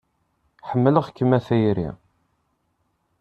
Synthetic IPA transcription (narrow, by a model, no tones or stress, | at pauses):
ħəmːələʁkːəmːæθæjɾḭ